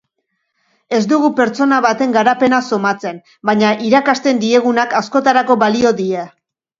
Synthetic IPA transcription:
e̞zd̪uɣupe̞ɾt͡so̞naβat̪e̞ŋɡaɾape̞naso̞mat͡se̞n | baɲaʔiɾakast̪e̞nd̪ie̞ɣunakasko̞t̪aɾako̞βalio̞ðie

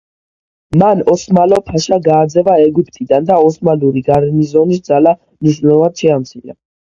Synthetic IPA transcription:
manɔsmalɔpʰaʃaɡaːd̪zɛvaɛɡyp̚ʰt̪ʰid̪and̪aɔsmaluɾiɡaɾɛnizɔnisd̪zala | mniʃ̬nɛlˠvad̪̥ʃɛamt̪sʰilɛ̰

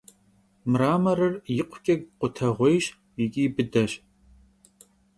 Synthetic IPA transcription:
mɨraːmɐrɨrjɪqʷʰʊkʲʼɐɡ̚qʷʊtʰɐʁʷejɕ | jɪkʲʼiːbɨdɐɕ

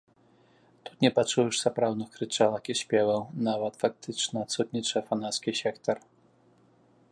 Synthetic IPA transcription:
t̪u̥t̪nʲɛpat͡ʂujɛʂsapɾawd̪nɨxkɾɨt͡ʂalˠɐkiɕʲpʲɛvɛwnavɐt̪fak̚t̪ɨt͡ʂnɐːt̪sut̪nʲit͡ʂɐfanat̪skʲisʲɛkt̪ɐr

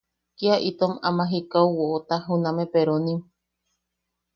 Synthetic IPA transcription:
kiaʔit̪oma̰mãɦikawwoʔot̪aɦunãmepeɾonĩm

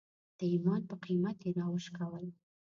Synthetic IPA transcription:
d̪̥əimɑnpəqimat̪jeɾɑwəʃkawəl

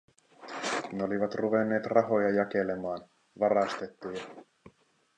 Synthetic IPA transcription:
neo̞liʋɑt̪ruʋenːe̞ːt̪rɑɦo̞jɑjɑke̞le̞mɑːn | ʋɑrɑst̪e̞t̪ːijɑ

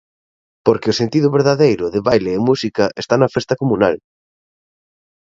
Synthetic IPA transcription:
poɾkɪʊsent̪iðʊβeɾðaðejɾʊðɪβajleːmusikɐʔest̪anɐfest̪ɐkomuna̰l

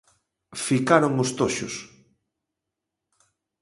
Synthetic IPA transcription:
fikaɾoŋost̪oʃo̰s

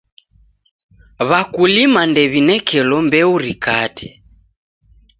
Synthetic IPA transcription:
βakulimandɛβinɛkɛlɔmbɛuɾikatʰɛ̥

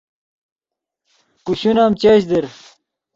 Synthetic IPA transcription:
kuɕunaːmt͡ɕeɕd̪eɾ

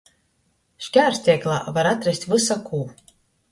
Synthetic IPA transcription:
ʃkʲæːɾsʲt̪ʲiɛklˠa̰ːvaɾat̪ɾɛsʲt̪ʲvɨsakʰuː

